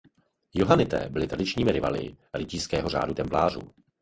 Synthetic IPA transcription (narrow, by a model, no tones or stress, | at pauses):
joɦanɪt̪ɛ̰ːbɪlɪt̪ɾadɪt͡ʃɲiːmɪɾɪva̰lɪ̰ɾɪciːskɛːɦo̞r̝a̰ːdut̪ɛmplaːrṵ